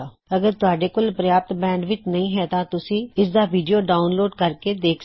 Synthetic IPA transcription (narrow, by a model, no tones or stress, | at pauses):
əɡəɾt̪ʊaːɖeːkoːlpɾəjaːp̚t̪bɛ̃ːɳɖʋɪt͡ʃnəɦĩːɦɛːt̪ãːt̪ʊsĩːɪsd̪aːʋiːɖijoːɖaːʊnloːɖkəɾkeːd̪eːkʰ